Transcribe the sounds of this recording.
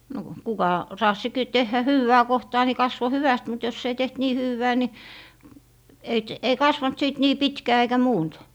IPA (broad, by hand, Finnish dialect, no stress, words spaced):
no kukɑ rɑːsːi ki tehːæ hywːæː kohtɑː ni kɑsʋo hyʋæst mut jos ei teht niː hywːæː ni ei t ei kɑsʋɑnt siˑt niː pitkæː eikæ muːnt